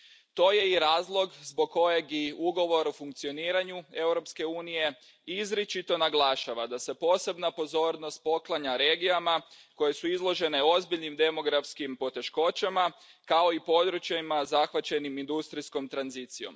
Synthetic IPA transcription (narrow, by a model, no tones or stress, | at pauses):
t̪o̞ːje̞iɾaːzlˠo̞ɡzbo̞ɡ̚kːo̞jeɡiuɡo̞ʋo̞ɾufuŋkt̪sio̞niːɾaɲue̞wɾo̞pske̞uːnije̞ | izɾit͡ʃit̪o̞naɡlˠaʃaʋad̪ase̞po̞ːse̞bnapo̞zo̞ːɾno̞st̪̚po̞klˠaɲaɾe̞ːɡijama | ko̞je̞suizlˠo̞ʒe̞ne̞o̞zbiʎnimd̪e̞mo̞ɡɾafskimpo̞t̪e̞ʃko̞t͡ɕamakao̞ipo̞d̪ɾut͡ɕjaimazaxʋat͡ɕe̞nimind̪ust̪ɾisko̞mt̪ɾanzit̪sijo̞̰m